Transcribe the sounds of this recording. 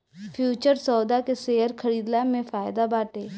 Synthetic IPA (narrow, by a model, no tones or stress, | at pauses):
fʰjuːt͡ʃəɾsɔːd̪akeseːəɾkʰəɾiːd̪lamẽfaːjd̪abaːʈeː